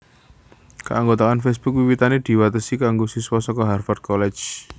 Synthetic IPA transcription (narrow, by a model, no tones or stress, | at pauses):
kə̰ʔaŋɡot̪akanfɛs̬b̥ʊk̚wiwit̪aned̪̥i̤wat̪əsikaŋɡosiswɔsɔkɔɦarfat̪̚kɔlɛ̥d͡ʒ